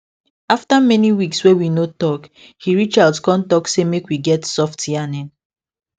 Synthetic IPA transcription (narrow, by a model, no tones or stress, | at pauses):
aftamɛniwikswewinotɔk | hiɹit͡ʃadskɔ̃ntɔksemekwiɡɛtsɔftianɛ̃n